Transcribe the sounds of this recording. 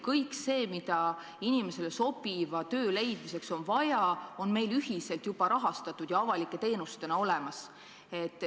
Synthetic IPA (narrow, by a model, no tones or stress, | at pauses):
kɤjkse̞ːmid̪̥ɑ | inime̞se̞le̞so̞b̥ivɑt̪ø̞ːle̞jd̪̥mise̞kso̞nvɑjɑo̞nme̞jlyhise̞lt̪jub̥ɑɾɑɦɑst̪ɑt̪ːˑud̪̥jɑɑvɑlikːˑe̞t̪e̞ːnust̪e̞nɑo̞lemɑs | e̞t̪ːˑ